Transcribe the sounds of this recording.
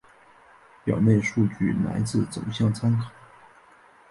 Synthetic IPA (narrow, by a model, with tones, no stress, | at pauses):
pjɑ̰˨˩ʊne˥˧ɪʂu˥˧t͡ɕy˥˩na̰˧˥ɪt͡sɹ̩˥˩t͡sʊ̰˨˩ʊɕjɑ˥˩ŋt͡sʰa˥nkʰɑ˨˩˦